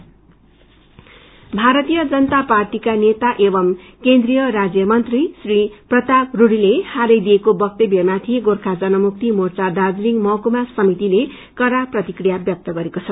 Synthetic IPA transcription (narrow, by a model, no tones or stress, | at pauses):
bʱaɾʌt̪ijʌd͡zʌnʌt̪aparʈikanet̪aʔebʌm | kend̪rijʌɾad͡zjʌmʌnt̪risriprʌt̪abruɽilehaɾʌjd̪ijekobʌk̚t̪ebjʌmat̪ʰiɡorkʰad͡zʌnʌmuk̚t̪imort͡sad̪ad͡zliŋmʌkumasʌmit̪ile | kʌɾaprʌt̪ikrijabjʌp̚t̪ʌɡʌɾekot͡sʰʌ